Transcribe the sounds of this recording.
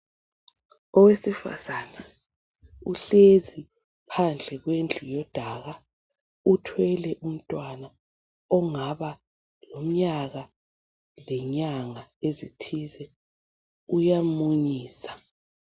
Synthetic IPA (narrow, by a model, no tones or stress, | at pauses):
ɔwesifa̰zana | uɬezi | pʰand͡ɮʱɛɣ̬wend͡ɮʱujɔd̥ʱaɣa | utʰwɛlɛʔum̩tʼwana | ɔŋaɓa | lom̩ɲaɣa | lɛɲaŋaezitʰizɛ | ujamuɲiːsḁ